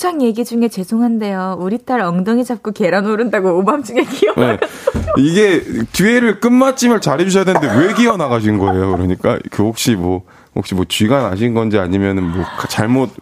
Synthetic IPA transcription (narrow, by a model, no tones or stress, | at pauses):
t͡ɕʰaŋje̞ɡid͡ʑuŋe̞t͡ɕe̞sʰoŋɦande̞jouɾit͈ʰaɾʌŋdʌŋid͡ʑap̚k͈oke̞ɾanoɾɯndaɡoobamt͡ɕ͈iɡekiʌneiɡe̞t͡ɕueɾɯɭk͈ɯnmat͡ɕ͈ʰimɯɭt͡ɕaɾid͡ʑuɕʰʌjadwenɯnde̞we̞ɡiʌnaɡaɕ̬ʰinnɡʌe̞jokɯɾʌɲik͈a̰kɯhok̚ɕ͈imwʌ | ho̰k̚ɕ͈imwʌt͡ɕɥiɡanaɕ̬ʰinɡʌnd͡ʑiaɲimjʌnɯnmwʌkat͡ɕaɭmot̚